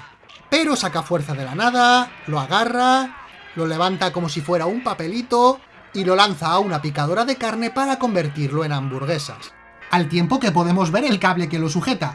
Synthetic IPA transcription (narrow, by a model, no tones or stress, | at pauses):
pe̞ɾo̞sakafwe̞ɾθað̞e̞lanað̞aloaɣ̞ara | lo̞le̞β̞ant̪ako̞mo̞s̬ifwe̞ɾaumpape̞lit̪o̞ | ilo̞lan̟θaːunapikað̞o̞ɾaðe̞kaɾne̞paɾako̞mbe̞ɾt̪iɾlo̞e̞nambuɾɣ̞e̞sa̰s | alt̪je̞mpo̞ke̞p̬o̞ðe̞mo̞zβeɾe̞lkaβle̞ke̞lo̞s̬uxe̞t̪a